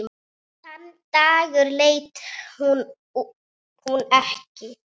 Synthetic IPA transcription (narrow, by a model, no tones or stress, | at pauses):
θant̪aːɣʏɾleːjt̪hun | hunɛhcɪ